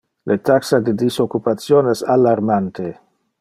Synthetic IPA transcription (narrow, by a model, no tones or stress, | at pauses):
lʔet̪aksad̪ed̪isokːupat̪sjonesalːaɾmant̪e